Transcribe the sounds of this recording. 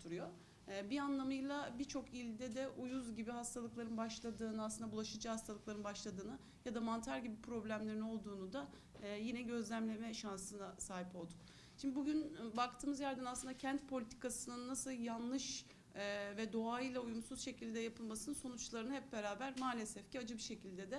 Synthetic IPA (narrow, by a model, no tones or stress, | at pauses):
t̪ʰuɾujo | bianlˠamɯjlˠabiɾt͡ʃʰo̞kilʲd̪ɛd̪ɛʔujuzɟibiɦast̪ʰalˠɯklˠaɾɯnbaʃlˠad̪ɯːnɯasˠɯnd̪abulˠaʃɯd͡ʒahast̪ʰalˠɯklˠaɾɯnbaʃlˠad̪ɯːnɯ | jad̪amant̪ʰaɾɟibipʰɾo̞blʲæmlʲe̞ɾino̞lˠd̪uːnud̪aː | jinɛɟø̞zlʲæmlʲe̞mɛʃansɯnasaːɦipo̞lˠd̪un | ʃimbibuɟynbak̚t̪ʰɯːmɯzjæɾd̪ænaslˠɯnd̪acʰænt̪̚pʰo̞lʲit̪ʰi̥kasɯnɯnːasɯlˠjanlˠɯʃ | vɛd̪o̞ajɯjlˠaujumsuz̥ʃe̞cʰilʲd̪ɛjapʰɯlˠmasɯnɯnso̞nut͡ʃlˠaɾɯnɯhɛp̚be̞ɾaːbæɾmaːlʲesɛfciad͡ʒɯbiʃe̞cʰilʲd̪ɛd̪ɛ